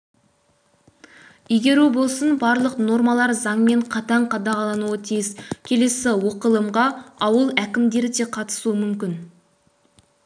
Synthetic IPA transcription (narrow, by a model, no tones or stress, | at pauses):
ijɡʲe̞ɾebo̞lˠsənbɑɾlˠəqno̞ɾmɑlˠɑɾzɑɴme̞ɴqʰɑt̪ɑɴqʰɑd̪ɑʁɑlˠɑnuət̪ʰijɪzkʲʰe̞le̞sɪwoqəlˠəmʁɑɑwəlˠækʲɪmd̪e̞ɾɪd̪e̞qʰɑt̪ə̥suəmʏmkʲɪn